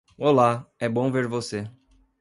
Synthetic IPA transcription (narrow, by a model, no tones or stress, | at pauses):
ɔlaɛbõveɾvose